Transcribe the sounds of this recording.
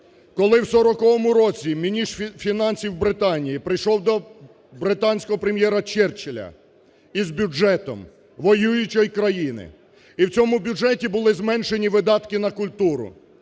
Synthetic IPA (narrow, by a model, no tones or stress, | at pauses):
kɔlˠɪwsɔɾɔkɔʋɔmʊɾɔt͡sʲimʲinʲisfʲinɑnʲsʲiwbɾɪt̪ɑnʲijipɾɪjʃɔwd̪ɔ | bɾɪt̪ɑnʲsʲkɔɦɔpɾemjɛɾɐt͡ʃɛrt͡ʃɪlʲɐ̰ | izbʲʊd͡ʒɛt̪ɔ̰m | ʋɔjujʊt͡ʃɔjkɾɐjinɪ̰ | iwt͡sʲɔmʊbʲjʊʒɛtʲibʊlˠɪzmɛnʃenʲiʋɪd̪ɑt̪kɪnɐkʊlʲt̪uɾʊ̰